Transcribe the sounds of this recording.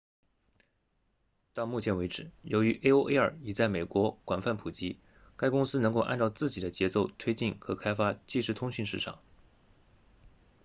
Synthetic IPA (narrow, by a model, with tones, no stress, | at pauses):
t̪ɑ˥˧ŋmu˥˩t͡ɕʰjɛ˧˥nwe˧˥ɪʈ͡ʂɻ̩˨˩jo˧˥ʊy˧˥ʔe˥ɪo˥ʊʔe˥ɪə̰˞˨˩i˨˩t͡sa˥˩ɪme˨˩ɪkwɔ˧˥kwa˨˩nfa˥˩npʰu˨˩t͡ɕi˧˥ | ka˥ɪkʊ˥ŋsɹ̩˥nɤ˧˥ŋko˥˧ʊʔa̰˥˧nʈ͡ʂɑ˥˧ʊt͡sɹ̩˥˩t͡ɕi˨˩d̪ə˦t͡ɕjɛ˧˥t͡so˥˩ʊt̪ʰwe˥ɪt͡ɕi˥˩nkʰɤ˧˥kʰa˥ɪfa˥t͡ɕi˥˧ʂɻ̩˥˩t̪ʰʊ˥ŋɕy˥˧nʂɻ̩˥˩ʈ͡ʂʰɑ̰˨˩˦ŋ